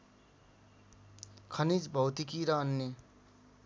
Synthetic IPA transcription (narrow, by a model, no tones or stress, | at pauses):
kʰʌnid͡zbʱʌwt̪ikiɾʌːnːe